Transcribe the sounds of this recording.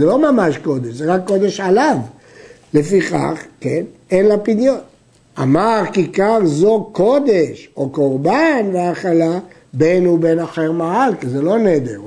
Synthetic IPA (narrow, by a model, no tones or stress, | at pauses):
elo̞mamaʃko̞d̪eʃzeʁakːo̞d̪e̞ʃalav | lefiχa̰χkenenlapid̪jot̪ | a̰maʁkikaʁzoko̞d̪eʃoko̞ʁbanveaχala | benubenaχeʁmaalkizelo̞ned̪ḛʁ